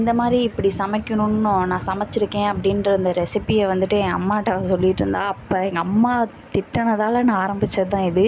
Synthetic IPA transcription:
ɪnd̪ɐmaːd̪ɾiɪpːɐɽisɐmɐkːɐɳʊ̃nːonãːsɐmɐt͡ʃːɪɾɯkːẽːɐpːɐɽɪnɾɯnd̪ɐɾɛsɪpːɪɐʋɐnd̪ɯʈːɯɛ̃ŋɡɐɐ̰mːaːʈːaːʋsɔlːɪʈːɪɾɯ̰nd̪aːɐpːoːɛŋɡɐːmːaː | t̪ɪʈːɐɳɐðaːlɐnãaːɾɐmbɪt͡ʃːɐt̪ãːɪðɯ

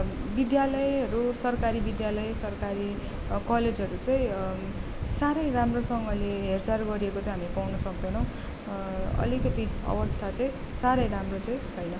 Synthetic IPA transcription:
bid̪jalʌjʌɾusʌrkaɾibid̪jalʌjsʌrkaɾi | kʌled͡zʱɦʌɾut͡saĩ | saɾʌjramrosʌŋɡʌleɦert͡sarɡʌɾiekot͡saĩɦamipawnʌsʌk̚d̪enʌw̃ | ʌ̰likʌt̪iʌ̰bʌst̪ʰat͡saĩ | saɾʌjɾamrot͡saĩt͡sʰʌjnʌ

